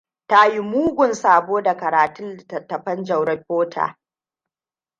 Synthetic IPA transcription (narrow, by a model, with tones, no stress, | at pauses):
ta˦ji˦muː˦ɡʷʊ˨nsaː˨boː˦da˨kɐ˨ɾaː˨tʊ˦n˨tɐ˨tːɐ˨ɸɐ˦nd͡ʒɐ˨wɽɐ˦ɸʲoː˦tʰa̰ː˨